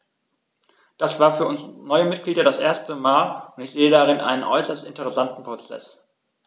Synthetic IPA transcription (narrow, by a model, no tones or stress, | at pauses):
d̥asv̥aːɐfyːɐʊnsnɔʏəmɪt̚ɡ̥liːdɐɾasʔeːɐstəmaːlʊntɪçz̥eːədaʁ̞ɪnʔa̰ɪnənʔɔ̰ʏsɐstɪntəʁɛsantn̩pʁ̥ot͡sɛ̰s